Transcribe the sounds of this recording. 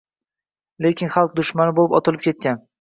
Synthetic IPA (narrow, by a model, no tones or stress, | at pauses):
le̞kʲʰɪnχalˠq̚d̪ʊʃmanɪbolˠɪpɒt̪ʰɪlɪp̚kʲʰe̞t̪̚kʲan